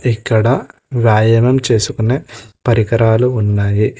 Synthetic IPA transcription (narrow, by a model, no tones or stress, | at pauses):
ikːɐɽɐ | ʋjaːjɐmɐmt͡ʃe̞ːsukuneːpɐɾikɐɾaːluːnːaːji